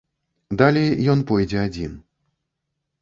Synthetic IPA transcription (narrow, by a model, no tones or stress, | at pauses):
d̪alʲejjɔnpɔjd͡zʲɛad͡zʲin